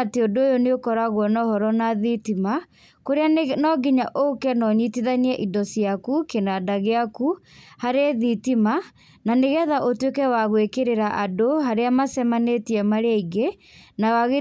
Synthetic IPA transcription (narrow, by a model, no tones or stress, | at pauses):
teodoojoneokɔɾaɣwɔnɔhɔɾɔnaðitima | koɾeanɔɡiɲaʔokɛnɔɲitiðaniɛʔidɔsiakukenadaɣeakuhaɾeðitima | naneɣɛðaʔotwekɛwaɣwekeɾeɾaʔadoɦaɾeamasɛmanetiɛmaɾeaiɡe | nawaɣe